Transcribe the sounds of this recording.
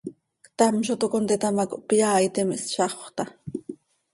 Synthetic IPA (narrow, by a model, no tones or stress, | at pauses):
kt̪amʃ̬ot̪okont̪et̪amako̰ʔpjaːjt̪ɪmɪsʃɑχoχt̪a